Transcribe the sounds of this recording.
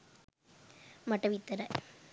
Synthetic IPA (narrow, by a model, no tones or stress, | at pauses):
mɐʈːɐʋit̪ːɐɾɐ